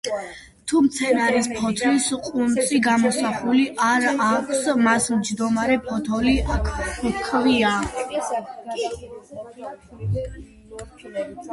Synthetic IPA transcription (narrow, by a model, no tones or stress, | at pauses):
t̪ʰumt̪sʰɛnaɾispʰɔt̪ʰlisqʼunt̪sʼiɡamɔsaχuliʔaɾakʷʰsmasmd͡ʒd̪ɔmaɾɛpʰɔt̪ʰɔliʔakʰkʰvia